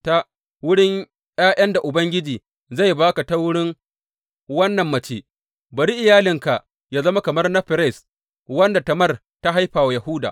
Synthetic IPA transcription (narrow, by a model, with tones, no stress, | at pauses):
ta˦ | wʊ˦ɽɪ˦ŋ | j̰aː˦ʔj̰ɐ˦nda˨ʔʊ˨bɐ˦ŋɡʲɪ˦d͡ʒiː˨ | za˦˨jbaː˦ka˨ta˦wʊ˦ɽɪ˦ŋ | wɐ˦nːɐ˨mːɐ˨t͡ʃeː˦ | ba˨ɾi˦ʔɪ˨jaː˦lɪ˨ŋka˨ʔ | jaː˦zɐ˦ma˦kɐ˨mɐ˦rnɐ˦ɸɪ˨ɾɛ˦˨s | wɐ˦nda˨tɐ˨mɐ˦˨r | ta˦ɦa˦jɸaː˨wa˨ja˨hʊ˦da̰ː˨ʔ